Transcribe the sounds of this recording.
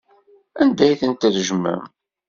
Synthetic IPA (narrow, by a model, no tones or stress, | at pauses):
ænd̪æjθənt̪æðʒəmːæ̰m